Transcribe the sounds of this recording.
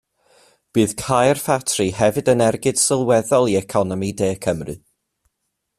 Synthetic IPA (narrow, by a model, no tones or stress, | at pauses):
b̥ɨːð̥kʰajrfatʰrɨhɛvɨdənɛrɡɨd̥sɪlˠwɛðɔlˠiɛkʰɔnɔmideːkʰəmrɨ̰